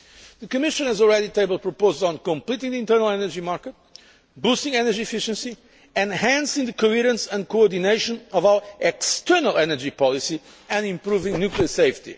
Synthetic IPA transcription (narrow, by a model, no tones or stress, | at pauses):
ðɨkɨmɪʃɨ̃nɨzɔlˠɹɛɾitʰeɪbəlˠd̚pɹəpoʊzdn̩kə̃mplitɪ̃ŋðiɪ̃ntɜ˞nəlˠɛnə˞d͡ʒimaɹkət̚ | busɪ̃ŋɛnəd͡ʒiɛfɪʃɨ̃nsi | ɛ̃nhæ̃nsɪ̃ŋðɨkohiɾə̃nsə̃nkoɔɹd̪ineɪʃə̃nʌvaʊəʔɛkstʰɜ˞nəlˠɛnə˞d͡ʒipʰɑlˠisi | ɨ̃nɪ̃mpɾuvɪ̃ŋnjukliəseɪftḭ